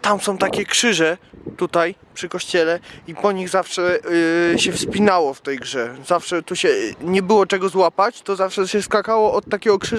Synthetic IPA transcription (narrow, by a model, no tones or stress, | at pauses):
t̪amsɔ̃w̃t̪akʲɛkʂɘʐɛt̪ut̪ajpʂɘkɔɕt͡ɕɛlɛipɔɲiɣzafʂɛ | ɕɛfspʲinawɔft̪ɛjɡʐɛzafʂɛt̪uɕɛɲɛbɘwɔt͡ʂɛɡɔzwapat͡ɕt̪ɔzafʂɛɕɛskakawɔɔt̪̚tːakʲɛɡɔkʂɘ